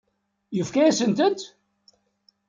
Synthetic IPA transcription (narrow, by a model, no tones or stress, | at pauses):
jəfkæjæsənt̪ənt̪